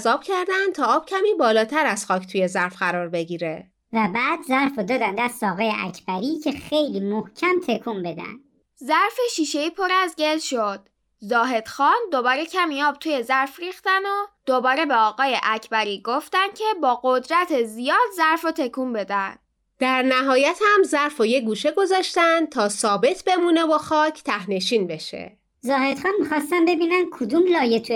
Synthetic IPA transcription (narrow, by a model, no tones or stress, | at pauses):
zɒːb̥cʰæɾd̪ænd̪t̪ʰɒːɒːb̥̚cʲʰæmiːbɒːlɒːt̪ʰæɾæz̥xɒːcʰt̪ʰuːje̞zæɾfɢæɾɒːɾbe̞ɟiːɾe | væbæːd̪zæɾfɔd̪ɒːd̪ænd̪æɾsɒːɣejeʔæ̰cʰb̥æɾiːcʰe̞xejliːmohcʰæmt̪ʰekʰumbed̪æ̰nd̥ | zæɾfeʃiːʃeiːpʰoɾæzɟe̞ld̪ʃod̪̥̚ | zɒːɦe̞d̪̥xɒːnd̪o̞bɒːɾe̞cʰæmiɒːb̚t̪ʰuːje̞zæɾfriːxt̪ænod̪̥o̞bɒːɾe̞be̞ɒːɣɒːje̞ʔæcʰbæɾiːɡo̞ft̪ænd̪̚cʰe̞bɒːɢo̞d̪ɾæt̪ʰezijɒːd̪zæɾfot̪ʰe̞kʰuːmbe̞d̪ænd̪ | d̪̥æɾnæɦɒːjæt̪hæmzæɾfojeɡuːʃeɡo̞zɒːʃt̪ænd̪t̪ʰɒːsɒːbe̞t̪ʰbe̞muːnevoxɒːcʰt̪ʰæhne̞ʃiːnbe̞ʃḛ | zɒːhed̪xɒːnmixɒːst̪æmbe̞biːnænkʰod̪umlɒːjet̪ʰu